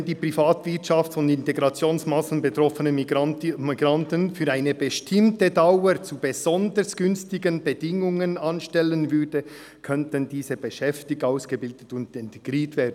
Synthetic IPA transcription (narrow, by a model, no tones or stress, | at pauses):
ɛndiːprifaːtvɪɐtʃɑftfɔnɪnteɡɾɑt͡sjoːnsmɑsn̩betɾɔfənəmiɡɾɑntənfyːɾaɪnəbəʃtʰɪmtədaʊət͡subəz̥ɔndəɾsɡ̥ʏnstɪɡənbədɪŋʊŋənɑnʃtɛlənvʏdə | kʰœntəndiːzəbəʃɛftɪktaʊsɡ̥əbɪldətʊndɛntɡ̥ɾiːtvɛːdnn̩